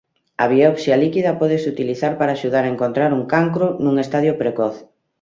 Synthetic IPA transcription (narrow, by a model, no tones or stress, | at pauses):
ɐβioβsjalikiðɐpɔð̞esut̪iliθaɾpaɾaːʃuð̞aɾaeŋkont̪ɾaɾuŋkaŋkɾonuŋest̪aðjopɾekɔθ